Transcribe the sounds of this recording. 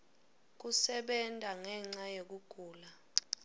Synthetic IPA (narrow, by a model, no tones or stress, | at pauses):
k̬usɛɓɛntʼaŋɛŋ͡ǀajek̬uɡ̥ʱuːla